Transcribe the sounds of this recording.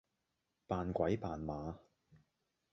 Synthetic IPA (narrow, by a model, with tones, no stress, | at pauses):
paː˨nkʷɐ˨˥jpaː˨nmaː˨˧